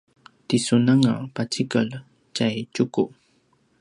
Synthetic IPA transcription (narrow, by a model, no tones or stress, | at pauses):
t̪isunaŋa̰pat͡ʃikal | t͡ʃajt͡ʃʊku